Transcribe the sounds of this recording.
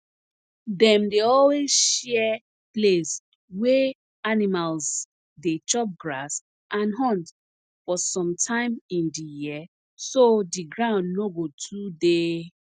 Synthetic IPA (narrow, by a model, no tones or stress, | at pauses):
dɛ̃mdeɔlwezʃɛɛ | ples | wɛ | animalz | det͡ʃɔp̚ɡɹas | ʔãnɦɔ̃nt | fɔsɔ̃mtʰãɪ̃mĩndiji | sodiɡɹãʊ̃ndnoɡotʰude